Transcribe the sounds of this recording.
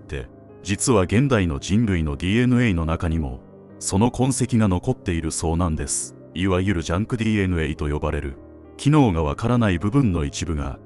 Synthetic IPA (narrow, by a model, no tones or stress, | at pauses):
t̪ːe̞̰ | d͡ʑit͡sɨβaɡẽ̞nd̪aino̞d͡ʑĩnɾɯ̟ino̞d̪ʲiːe̞nɯ̟eino̞nakaɲ̟imo̞̰ | so̞no̞kõ̞ɰ̃se̞kʲiɡano̞ko̞t̪ːe̞iɾɯ̟so̞ːnãnd̪e̞sɨ̥ | iβajɯ̟ɾɯ̟ʑãŋkɯ̟d̪ʲiːe̞nɯ̟eit̪o̞jo̞baɾe̞ɾɯ̰ | kʲʰino̞ːɡaβ̞akaɾanaibɯ̟bɯ̟̃nːo̞it͡ɕibɯ̟ɡa̰